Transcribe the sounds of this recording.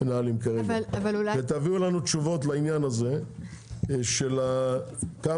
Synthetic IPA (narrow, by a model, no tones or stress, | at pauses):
naaːlimkaʁeaavaluavet̪aviulanut̪ʃuvo̞t̪lainjanaze̞ | ʃe̞laka